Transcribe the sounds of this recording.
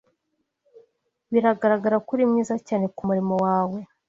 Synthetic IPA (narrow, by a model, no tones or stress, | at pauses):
βiɾaɡaɾaɡaɾakuɾimɲiːzacaːne̞kumuɾimo̞waːwe̞